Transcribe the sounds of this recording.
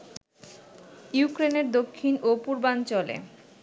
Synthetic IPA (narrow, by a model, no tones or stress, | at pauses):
jukɾeneɾd̪okʰːinopuɾbant͡ɕɔlḛ